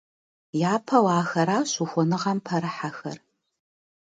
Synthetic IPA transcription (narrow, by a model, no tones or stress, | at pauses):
jaːpʰɐwaːxɐɾaːɕuxʷɔnɨʁɐmpʰɐɾɨħaxɐ̰r